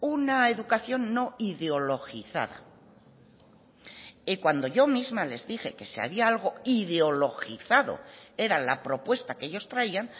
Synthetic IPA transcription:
unae̞ðukaθjo̞nːo̞iðeo̞lo̞xiθa̰ða̰ | ekwand̪o̞ʝo̞mizmale̞zðixe̞̰ke̞sea̰βiaalɣo̞iðeo̞lo̞xiθaðo̞̰e̞ɾalapɾo̞pwe̞st̪akee̞ʎo̞st̪ɾaian

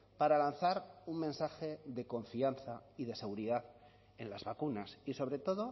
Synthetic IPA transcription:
paɾalanθaɾuŋmẽ̞nsaxe̞ðe̞ko̞ɱfianθaiðe̞se̞ɣuɾiðað | e̞nlazβakunasiso̞βɾe̞t̪o̞ðo̞

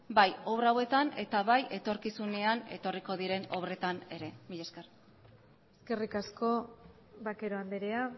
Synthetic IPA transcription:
bajo̞βɾawe̞t̪ane̞t̪aβaje̞t̪o̞ɾkisune̞ane̞̰t̪o̞riko̞ðiɾe̞no̞βre̞t̪ane̞ɾe̞miʎeske̞r | eske̞rikasko̞ | βake̞ɾo̞and̪eɾea

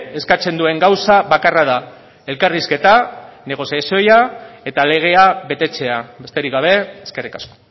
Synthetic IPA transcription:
e̞skat͡se̞nd̪ue̞ŋɡawsaβakaraða | e̞lkariske̞t̪ane̞ɣ̞o̞sjasio̞jae̞t̪ale̞ɣ̞e̞aβe̞t̪e̞t͡se̞abe̞st̪e̞ɾikɡaβ̞e̞ːske̞rikasko̥

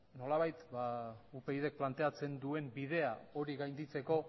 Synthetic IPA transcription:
no̞laβajt̪baupe̞iðe̞k̚plant̪e̞at͡se̞nd̪ue̞mbið̞e̞ao̞ɾiɣajnd̪it͡se̞ko̞

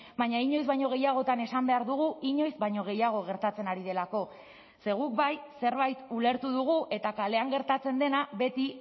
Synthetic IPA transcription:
baɲaiɲo̞jzβaɲo̞ɣe̞jaɣ̞o̞t̪ane̞sambe̞aɾðuɣ̞uiɲo̞jzβaɲo̞ɣ̞e̞jaɣ̞o̞ɣ̞e̞ɾt̪at͡se̞naɾiðe̞lako̞ | se̞ɣ̞ukbajse̞ɾβajt̪ule̞ɾt̪uðuɣ̞uʔe̞t̪akale̞aŋɡe̞ɾt̪at͡se̞nd̪e̞naβe̞t̪i

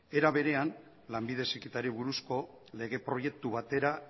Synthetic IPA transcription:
e̞ɾaβe̞ɾe̞an | lambiðe̞sikit̪aɾiβuɾusko̞ | le̞ɣ̞e̞pɾo̞je̞k̚t̪uβ̞at̪e̞ɾa

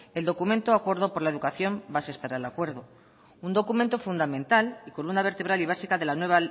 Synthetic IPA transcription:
e̞ld̪o̞kument̪oakwoɾðopo̞ɾlae̞ðukaθjo̞mbasespaɾaelakwe̞ɾðo | und̪o̞kument̪o̞fund̪amẽnt̪alikolund̪aβe̞ɾt̪e̞β̞ɾaliβ̞asikaðe̞lanwe̞β̞a

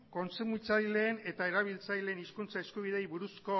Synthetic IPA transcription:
ko̞nsemuit͡sajle̞ːne̞t̪ae̞ɾaβ̞ilt͡sajle̞ːniskunt͡saeskuβ̞ið̞e̞jβuɾusko̞

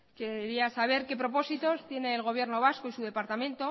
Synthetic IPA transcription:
keɾiasaβ̞e̞ɾke̞pɾo̞po̞sit̪o̞st̪je̞ne̞ːlɣ̞o̞β̞je̞ɾno̞β̞askoisuðe̞paɾt̪amẽ̞nt̪o̞

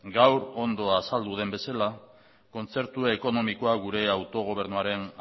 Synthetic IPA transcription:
ɡawɾo̞nd̪o̞asald̪uð̞e̞mbe̞sala | ko̞nt͡se̞ɾt̪ueko̞no̞miko̞aɣuɾe̞awt̪o̞ɣ̞o̞β̞e̞ɾnuaɾe̞n

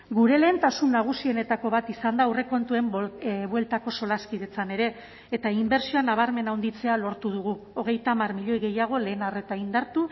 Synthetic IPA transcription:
ɡuɾe̞le̞ːnt̪asunːaɣ̞usie̞ne̞t̪ako̞βat̪isand̪awre̞ko̞nt̪ue̞mβwe̞lt̪ako̞so̞laskiðe̞t͡sane̞ɾe̞ː | t̪aimbe̞ɾsioanaβ̞aɾme̞nawnd̪it͡se̞alo̞ɾt̪uð̞uɣuo̞ɣ̞e̞jt̪aːmarmiʎo̞jɣe̞jaɣ̞o̞le̞ːnare̞t̪aind̪aɾt̪u

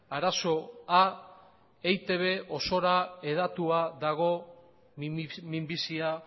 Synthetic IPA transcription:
aɾaso̞a | ejt̪e̞β̞e̞ʔo̞so̞ɾae̞ð̞at̪uaðaɣo̞ | mimbisia

